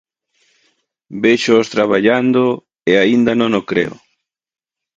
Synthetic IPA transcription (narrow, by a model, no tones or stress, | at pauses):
beʃoːst̪ɾaβaʎand̪o | eaind̪anõŋokɾḛʊ̰